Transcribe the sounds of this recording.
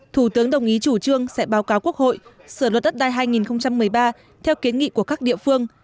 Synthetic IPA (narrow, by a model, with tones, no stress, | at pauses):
t̪ʰu˧˩t̪ɨ˨˦əŋɗə˨˩wŋ͡mʔi˨˦t͡ɕu˧˩t͡ɕɨ˧əŋsɛ̰˧˥ɓaː˨˦wkaː˨˦wku˦˥ək̚ho̰˧˨j | sɨː˧˩lwə˨˩t̚ɗə˦˥t̚ɗaː˧jɦaː˧jŋi˨˩nxə˧wŋ͡mt͡ɕa˧mːɨ˨˩əjɓaː˧ | t̪ʰɛ˧wki˨˦nŋḭ˧˨ku˧˩əkaː˦˥k̚ɗḭ˧˨əfɨ˧əŋ